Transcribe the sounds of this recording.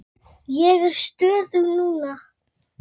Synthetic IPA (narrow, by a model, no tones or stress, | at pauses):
jɛvɪɾ̥st̪øːðʏwnuːna